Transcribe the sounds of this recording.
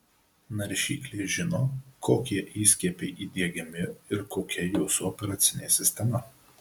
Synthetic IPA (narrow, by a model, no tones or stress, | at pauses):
nɐɾʲʃʲḭːklʲeʒʲɪnoːkʰoːkʲiɛʔiːsʲkʲipʲeɪʔiːd̪ʲiɛɡʲɛmʲɪɪɾkoːkʲɛjɛʊsʊɔpʲɛɾɐːt̪sʲɪnʲeːsʲɪsʲt̪ʲɛmɐ